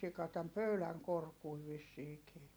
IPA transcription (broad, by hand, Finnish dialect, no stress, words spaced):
sikɑ tæm pøylæŋ korkui ʋisːiːkiː